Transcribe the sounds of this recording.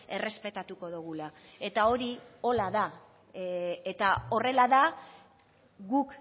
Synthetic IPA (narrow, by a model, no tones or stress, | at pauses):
e̞re̞spe̞t̪at̪uko̞ðuɣ̞ulae̞t̪ao̞ɾio̞laða | et̪ao̞re̞laða | ɡuk